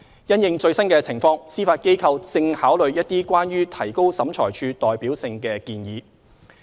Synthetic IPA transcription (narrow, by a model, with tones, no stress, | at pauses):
jɐ˥njɪ˨˧ŋt͡ʃɵ˧ɥsɐ˥nkɛː˧t͡sʰɪ˨˩ŋfɔː˧ŋsiː˥faː˧t̚ke˥jkʰɐ˧wt͡sɪ˧ŋhaː˨˥wlɵ˨˧ɥjɐ˥t̚t̪iː˥kʷaː˥nɥyː˥t̪ʰɐ˨˩jko˥wsɐ˨˥mt͡ʃʰɔː˨˩jt͡ʃʰyː˧t̪ɔː˨jpiː˨˥wsɪ˧ŋkɛː˧kiː˧njiː˨˧